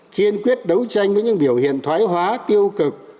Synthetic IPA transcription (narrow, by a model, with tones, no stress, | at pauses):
xi˧ənkwi˦˥ət̚ɗə˨˦wt͡ɕa˧jŋ̟vəː˨˦jɲɨ̰˧˥ŋɓi˧˩əwhḭ˧˨ənt̪ʰwaː˨˦jɦwaː˨˦t̪i˧əwkɨ˨˩k̚